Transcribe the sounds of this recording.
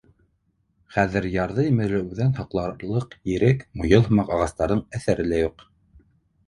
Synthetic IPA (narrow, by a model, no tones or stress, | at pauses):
χæðɘɾjɑɾðɤjmɘ̆lɘʉðænhɑqlˠɑɾlˠɤqjɘ̆ɾɘkmujɤlˠhɤ̆mɑqɑʁɑst̪ɑɾðɤɴæθæɾɘ̆læjuq